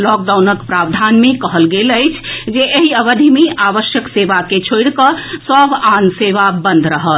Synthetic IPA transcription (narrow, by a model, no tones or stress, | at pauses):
lɔk̚ɖawnəkpɾabd̪ʱanmekəɦəlɡeləɪt͡ʃʰd͡ʒeʔeɦiəʋəd̪ʱimiaʋəʃjəkseʋaket͡ʃʰoɽkəsəbanseʋabə̃nd̪ʱɾəɦət̪